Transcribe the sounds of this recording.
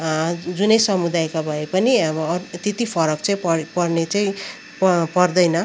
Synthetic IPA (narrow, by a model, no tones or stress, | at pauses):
d͡zunʌjsʌmud̪ajkabʱʌepʌnibʌt̪et̪ipʰʌɾʌkt͡saĩpʌpʌrnet͡saĩ | ppʌrd̪ʌjnʌ